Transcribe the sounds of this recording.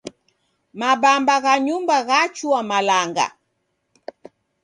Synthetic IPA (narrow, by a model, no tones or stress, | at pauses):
mabambaɣaɲumbaɣat͡ʃuamalaŋɡa̰